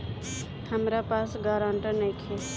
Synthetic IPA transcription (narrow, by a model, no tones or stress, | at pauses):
həmɾapasɡaɾãɳʈənəkʰe